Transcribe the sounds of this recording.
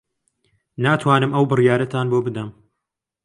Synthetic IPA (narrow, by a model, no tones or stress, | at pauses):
naːt̪ʰwaːnɨmʔɐwbɨrjaːɾɐt̪ʰaːnboːbɨd̪ɐm